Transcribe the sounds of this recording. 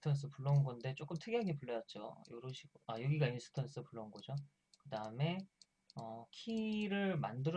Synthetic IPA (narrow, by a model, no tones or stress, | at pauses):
tʰans̬͈ʰɯpuɭːonɡʌnde̞t͡ɕ͈ok͈ɯmtʰɯɡeɦaɡepuɭːʌjʌt̚t͡ɕ͈o̰joɾɯɕʰiɡajoɡiɡainsʰɯ̥tʰans͈ɯpuɭːonɡʌd͡ʑo | kɯdaɯme̞ | ʌkʰiɾɯɭmandɯɾ